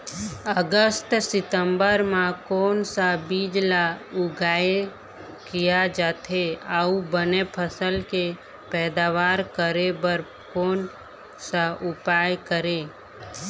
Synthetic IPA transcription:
əɡəst̪sɪt̪əmbəɾmãkɔːnsabiːd͡ʒlaʊɡaːe | kijad͡ʒaːt̪ʰeaubənepʰəsəlke | pɛːd̪aːʋaːɾkəɾebəɾ | koːn | saʔʊpaːjkəɾeː

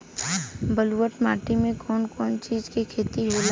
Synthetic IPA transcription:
bəluwəʈmaːʈimẽkɔːnkɔːnt͡ʃiːd͡ʒkekʰeːt̪iɦoːl

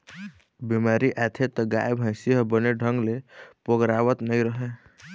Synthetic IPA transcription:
bimaːɾiʔɛːt̪ʰet̪ɔɡa̰ːjbʱãɪsiɦbəneɖʱə̃ŋɡlepoɡɾaːʋət̪nəĩɾəɦe

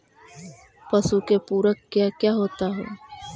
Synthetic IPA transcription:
pɐsukepuːɾəkkːjakjaːɦoːt̪aɦḛː

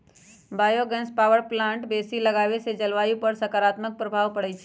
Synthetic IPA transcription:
baːjoɡɛ̃nspawəɾplãɳʈbesiləɡaʋesed͡ʒəlʋajupəɾsəkaɾat̪mək̚pɾəbʱaʋpəɽɛt͡ʃʰɛ

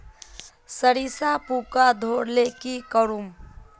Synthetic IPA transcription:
səɾisapukad̪ʱoɾlekikəɾum

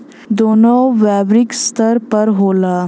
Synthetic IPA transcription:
d̪oːnoːʋɛːbɾɪkst̪ʰəɾpɐɾɦoːlaː

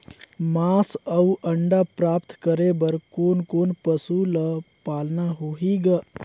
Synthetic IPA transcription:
maːsəuʔəɳɖapɾaːpt̪kəɾebəɾkoːnkoːnpəsuləpaːlnaɦoɦiɡa

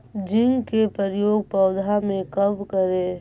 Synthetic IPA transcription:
d͡ʒɪ̃ŋɡkepəɾjoːɡ̚pɔːd̪ʱamẽkɐbkəɾeː

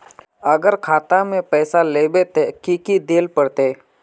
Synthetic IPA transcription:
əɡəɾkʰaːt̪amẽpɛːsaleːbet̪ekikid̪eːlpəɽt̪eː

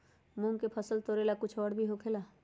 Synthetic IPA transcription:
mũːŋkepʰəsəlt̪oːɾelakʊt͡ʃʰɔːɽbʱiɦokʰeːla

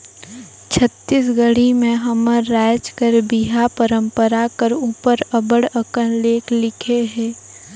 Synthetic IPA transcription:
t͡ʃʰət̪ːiːs̬ɡəɽimẽɦɐməːaːt͡ʃkəɾbiɦapəɾə̃mpəɾakəɾuːpəɾəbəɽəkənleːklɪkʰeɦɛ̃ː

